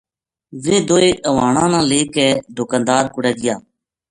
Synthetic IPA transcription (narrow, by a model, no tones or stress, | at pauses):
ʋẽːd̪oːeːʔəʋaːɳãːnãːleːkɛːd̪ʊkãːnd̪aːɾkʊɽɛːɡɪjaː